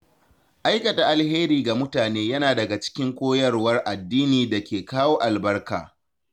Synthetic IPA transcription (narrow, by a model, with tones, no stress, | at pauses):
ʔa˦jkɐ˨ta˨ʔa˨lheː˦ɾiː˨ɡa˨mʊ˦taː˨neː˦jɐ˦naː˨dɐ˨ɡa˨t͡ʃɪ̥˦kʲɪ˦ŋkʷoː˦jɐ˦rwɐ˦rʔa˨dːiː˦niː˨da˨kʲeː˨kaː˦woː˦ʔa˨lbɐ˦rka̰ː˨